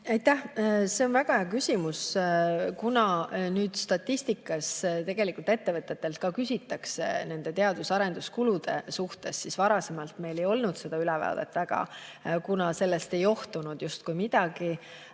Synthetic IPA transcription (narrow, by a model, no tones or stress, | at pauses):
ɑjt̪ːæhse̞onvæɡ̥ɑheɑkysʲimus | kunɑnyːd̪̥st̪ɑt̪ʲːisʲt̪ikːˑɑst̪e̞ɡ̥e̞likult̪e̞t̪ːe̞vɤt̪ːˑe̞t̪ːˑe̞lt̪̚kɑkysʲit̪ːˑɑksḛne̞nd̪̥e̞t̪e̞ɑd̪̥usɑɾe̞nd̪̥uskulud̪̥e̞̰suht̪e̞sːisvɑɾɑse̞mɑlt̪me̞jle̞jo̞lnud̪̥se̞d̪̥ɑylɛvɑ̰d̪̥ḛt̪ːˑvæɡ̥ɑ̰kunɑse̞lːe̞st̪e̞jo̞ht̪unud̪̥just̪kujmid̪̥ɑɡi